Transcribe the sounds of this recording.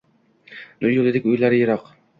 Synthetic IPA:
nʊjʊlˠɪd̪ɪkʲʊjlaɾɪjɪɾɒq

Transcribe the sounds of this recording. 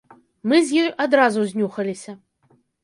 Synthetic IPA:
mɨzʲjɔjʔad̪ɾazuzʲnʲuxɐlʲisʲɐ

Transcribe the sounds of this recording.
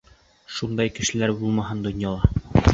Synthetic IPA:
ʃund̪ɑjkɘ̆ʃɘ̆læɾbulˠmɑɦɤnd̪ŏnjɑlˠɑ

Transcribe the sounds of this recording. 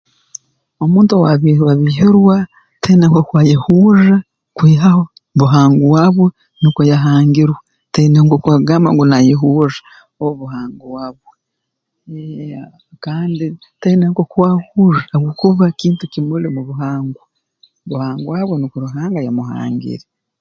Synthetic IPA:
omuːntowaiwaβiɦiɾwa | tʰejneŋkokwaːjehuːʒa | kwiːɦaho | βuɦaːŋɡuwaːβwe | nikojaɦaːŋɡiɾwa | teneŋkokwaɡaːma̰ŋɡunajeɦuːʒḁ | ouβuɦaːŋɡuwaːβwe | kaːndi | teineŋkokwahuʒaːwokuβakiːntukimulimuβuɦaːŋɡu | βuhaːŋɡuwaːβwenikoɾuɦaːŋɡajamuha̰ːŋɡḭɾe

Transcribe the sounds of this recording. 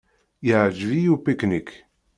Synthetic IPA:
jəʕʒvijupiknik

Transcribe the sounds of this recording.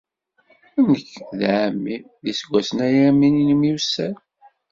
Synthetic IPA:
ænəkːðʕəmːi | ðisɡʷːæsənæjæmːininimjusæ

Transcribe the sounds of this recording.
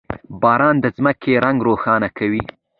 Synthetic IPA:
bɑːɾɑnd̪əzməkʰeɾaŋɡɾoxɑnakʰawi

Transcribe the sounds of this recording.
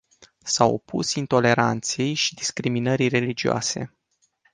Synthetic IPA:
sawopṵsint̪o̞le̞ɾant̪sie̞jʃi̥d̪iskɾiminəɾire̞lid͡ʒioa̰se̞̰

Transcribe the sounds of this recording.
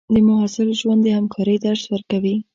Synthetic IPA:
d̪əmʊɦɑsɪlʒwand̪əhamkʰɑɾəjd̪aɾswəɾkawi

